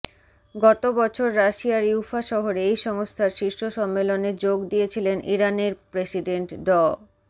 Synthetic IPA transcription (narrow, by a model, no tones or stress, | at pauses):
ɡɔt̪obɔt͡ɕʰoɾːaʃiaɾiwfaʃɔɦoɾeejʃɔŋost̪ʰaɾʃiʃʈoʃɔmːeloned͡ʑoɡd̪ijet͡ɕʰilenʔiɾaneɾpɾesiɖeɳʈɖɔ